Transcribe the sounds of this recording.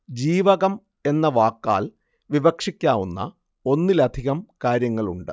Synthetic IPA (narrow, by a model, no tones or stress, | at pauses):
d͡ʑiːʋɐɣɐm | e̞nːɐʋaːkːa̰ːl | ʋibɐkʂikʲːaːʋunːɐ̰ | o̞nːilɐd̪ʱiɣɐmkaːɾjɐŋːɐɭuɳɖɨ̰